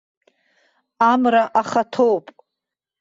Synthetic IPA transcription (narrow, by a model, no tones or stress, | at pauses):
amraʔaχatʰowpʼ